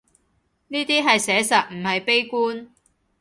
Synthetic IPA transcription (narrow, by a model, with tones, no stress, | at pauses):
niː˥t̪iː˥ɦɐ˨jsɛː˨˥sɐ˨t̚m̩˨˩hɐ˨jpe˥jkuː˥n